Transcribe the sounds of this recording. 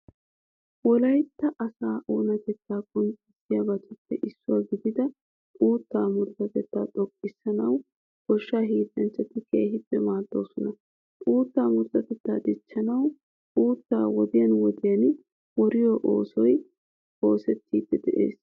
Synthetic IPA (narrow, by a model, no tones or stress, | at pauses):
wɔlɐjt̪ːɐʔɐsaːʔo̞ːnɐt̪ɛt̪ːaːkʼʊnt͡ʃʼɪsɪjabɐt͡ʃʼɛpːɛʔɪsːʊwaːɡɪd̪ɪd̪ɐ | ʔʼuːt̪ːaːmʊɾt̪ɐt̪ɛt̪ːaːt̪ʼɔkʼːɪsːɐnɐw | ɡ̥ɔʃːaːɦiːt̪ɐnt͡ʃːɐt̪ːɪke̞̰ːɦɪbːɛmaːd̪ːo̞̰ːsɔnɐ | ʔʼuːt̪ːaːmʊɾt̪ɐt̪ɛt̪ːaːd̪ɪt͡ʃːɐnɐw | ʔuːt̪ːa̰ːwɔd̪ɪjɐnwɔd̪ɪjɐn | wɔɾɪjɔʔo̰ːsɔj | o̞ːsɛt̪ʰːiːd̪ːɛd̪ɛʔḛːs